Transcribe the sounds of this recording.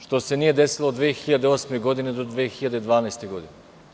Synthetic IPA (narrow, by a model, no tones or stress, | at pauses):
ʃt̪osenijed̪esilˠoːd̪vexiʎad̪eosmeɡod̪ined̪od̪vexiʎad̪ed̪vaːnajst̪eɡod̪ine